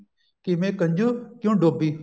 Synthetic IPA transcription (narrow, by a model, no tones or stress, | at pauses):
kimẽːkəɲd͡ʒukjũːɖoːbiː